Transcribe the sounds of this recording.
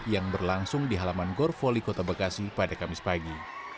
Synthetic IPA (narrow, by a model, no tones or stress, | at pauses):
jaŋbərlaŋsʊŋdiɦalamanɡɔrfɔlikot̪abakasipadakamɪspaɡi